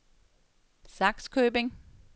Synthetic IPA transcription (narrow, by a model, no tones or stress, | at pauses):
sɑ̈ɡ̥skʰøːb̥e̝ŋ